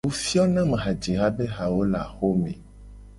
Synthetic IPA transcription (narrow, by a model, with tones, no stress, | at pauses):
wo˦fi˦ɔ˦nã˦mẽ˨ɦa˨d͡ʒe˨ɦa˦be˦ɦa˨wo˦la̰˨xo˦mḛ̃˨